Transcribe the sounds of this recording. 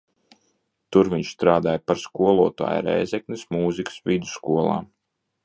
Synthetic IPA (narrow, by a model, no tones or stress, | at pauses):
t̪uɾviɲʃst̪ɾaːd̪aːjpaɾskuɔlˠuɔt̪a̰ːja̰ɾɛ̰jzɛknismuːzikə̥svid̪u̥skuɔlˠa̰ː